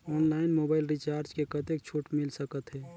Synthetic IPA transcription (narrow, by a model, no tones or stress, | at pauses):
ɔnlaɪnmobaɪlɾit͡ʃaɾd͡ʒkekət̪ek̚t͡ʃʰuʈmilsəkət̪ɦɛː